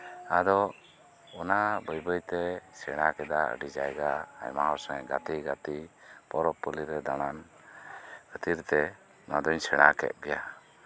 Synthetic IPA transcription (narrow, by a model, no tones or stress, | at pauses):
ad̪ɔ | ɔnabəjbəjt̪ɛsɛɽ̃akɛd̪aə̰ɖid͡ʒajɡa̰ːjmaɦɔɾsɔŋɛɡat̪iɡat̪ipɔɾɔpːɔliɾɛd̪aɽ̃an | ət̪iɾt̪ɛ | nad̪ɔɲsɛɽ̃a̰kɛ̰t̪̚ˀɡɛja